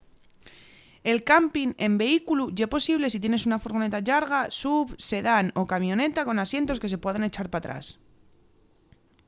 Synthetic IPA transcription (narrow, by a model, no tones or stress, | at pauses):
e̞lkampine̞mbe̞ikuluʝepo̞siβ̞le̞s̬it̪̬je̞ne̞sunafoɾɣ̞o̞ne̞t̪aʎaɾɣasuβse̞ðano̞kamjo̞ne̞t̪ako̞nasje̞nt̪o̞ske̞s̬e̞pweðene̞t͡ʃaɾpat̪ɾa̰s